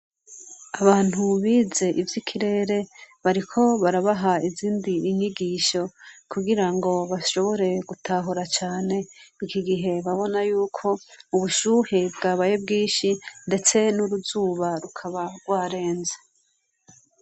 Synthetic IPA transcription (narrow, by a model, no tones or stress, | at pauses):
aβaːn̥huβiːze̞ʔivjikʰiɾe̞ːɾe̞βaɾikʰo̞βaɾaβaɦaiziːndiːɲiɡiːʃo̞kuɡiɾaŋɡo̞βaʃo̞βo̞ɾe̞ɡutʰaːɦoɾat͡ʃaːne̞ikiɡiɦe̞βaβo̞najuːkʰo̞uβuʃuːhebɡaːβajob̚ɡiːnʃinde̞t͡se̞nuɾuzuːβaɾukʰaβaɡwaːɾe̞ːnze